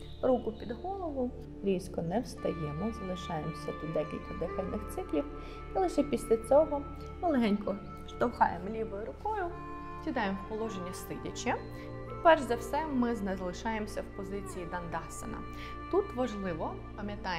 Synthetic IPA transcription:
ɾukʊpʲid̪ɦɔlˠɔʋʊ | ɾʲiskɔnɛwst̪ɐjɛmɪzɐlˠɪʃɑjemsʲɐt̪id̪ɛkʲilʲkɐd̪ɛxɐlʲnɪxt̪sɪklʲiw | ilˠɪʃɛpʲisʲlʲɐt͡sʲɔɦɔ | ɔlˠɪɦɛnʲkɔ | ʃt̪ɐwhɑjemlʲiʋɔjʊɾʊkɔjʊ | t͡sʲid̪ɑjemwpɔlˠɔʒenʲːist̪ɪdʲɐt͡ʃʲːɐ | ipɛrʒzɐwsɛmɪznɛzɐlˠɪʃɑjemsʲɐwpɔzɪt͡sʲijid̪ɐnd̪ɑsḛnɐ̰ | t̪ut̪ʋɐʒlˠɪʋɔ | pɐmʲjɐt̪ɑj

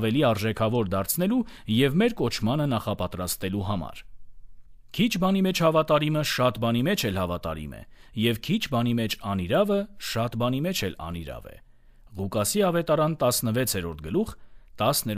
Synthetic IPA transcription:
vɛliɑɾʒɛkʰɑvɔɾd̪ɑɾt͡sʰnɛlu | jɛvmɛɾkɔt͡ʃʰmɑnənɑχɑpɑt̪ɾɑst̪ɛluɦɑmɑ̰ɾ | kʰit͡ʃʰbɑnimɛt͡ʃʰhɑvɑt̪ɑɾiməʃɑt̪bɑnimɛt͡ʃʰɛlhɑvɑt̪ɑ̰ɾḭmɛ̰jɛvkʰit͡ʃʰbɑnimɛt͡ʃʰɑniɾɑvəʃɑt̪bɑnimɛt͡ʃʰɛlɑ̰nḭɾɑ̰vɛ̰ | ʁukɑsiɑvɛt̪ɑɾɑnt̪ɑsnəvɛt͡sʰhɛɾɔɾt̪̚ʰɡəluχt̪ɑsnɛ

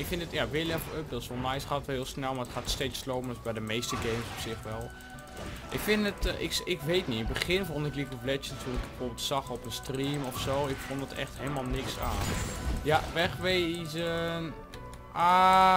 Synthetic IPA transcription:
ɪkfɪndətjaʋɪlɛføp̚dɔtɪsolˠnɛjsχaːtətʋɛɪːlˠsnɛlˠmaətxaːtstesloːpənɔsbɛjdəmeːstəɡejmsɔpsɪxʋɛlˠ | ʔɪkfɪnətɪkɪkʋejtniɪnbəχɪnfɔntɪklikəflɛt͡ʃjətʰunɪkbəfoːbɪlˠtsɑxɔpənstriːmɔfsoːɪkfɔntdətʰɛ̰xthelˠəmalˠnɪksaːnjaʋɛxʋejzə | a

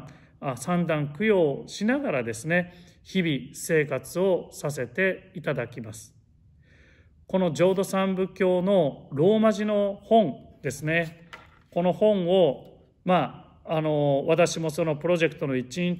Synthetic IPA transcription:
asãnd̪ãŋkɯ̟jo̞ːɕinaɡaɾad̪e̞sɨne̞çibʲise̞ːkat͡sɨo̞sas̬e̞t̪e̞it̪ad̪akʲimasɨ̥ | ko̞no̞d͡ʑo̞ːd̪o̞sãmbɯ̟kʲo̞ːno̞ɾo̞ːmaʑino̞hõ̞ɴd̪̥e̞sɨne̞ | ko̞no̞hõ̞ɴ̃o̞ | maː | no̞βat̪aɕimo̞so̞no̞pɯɾo̞ʑe̞kɯ̟t̪o̞no̞it͡ɕiĩɲ

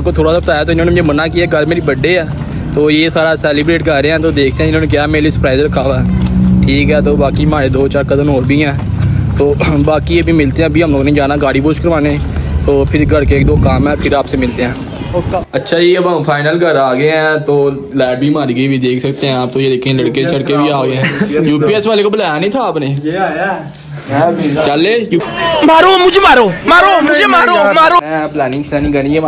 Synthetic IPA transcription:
aːpkoːt̪ʰoːɽaːsaːbət̪aːjaːt̪̬oːɪnõːnemʊd͡ʒemənaːkiɛːɡəɾmeːɾiːbəɖeːɛː | t̪oːjeːsaːɾaːsɛːlɪbɾeːʈkəɾɾeːɛ̃ːt̪oːd̪eːk̚ʰt̪eɦɛ̃ɪnõːneːk̬jaːɛmeːliːsəpɾaːɪzəɾkʰaːʋaːʈʰiːkɦɛːt̪oːbaːkiːmaːɾeːd̪oːt͡ʃaːɾkəd̪ənɦoːɾbʱiːɛ̃ː | t̪oːbaːkiːebʱiːmɪlt̪eːɛ̃ːbʱiːɦəmloːɡnĩd͡ʒaːnaːɡaːɽiːboːʃkəɾʋaːneːt̪oːpʰɪɾɡʱəɽkeːk̚d̪õːkaːmɛːpʰɪɾaːpseːmɪlt̪eːɦɛ̃ː | ətːʃʰaːd͡ʒeːəbəmfʰaːɪnəlɡʱəɾaːɡəeɛ̃ːt̪oː | lɛːɖ̚bʱiːmaːɾiːɡəibʱiːd̪eːkʰsəkt̪eɦɛ̃aːp̚t̪oːjed̪eːkʰẽləɽket͡ʃʰəɽkebʱiaːɡəɦɛ̃ːjuːpiːɛːsʋaːlekobəlaːjanəĩːt̪ʰaːpneːj | t͡ʃəleːjumaːɾoːmʊd͡ʒʱeːmaːɾoːmaːɾoːmʊd͡ʒʱemaːɾomaːɾoːɛ̃ːplɛːnɪ̃ŋɡsɛːnĩːɡəniɛ

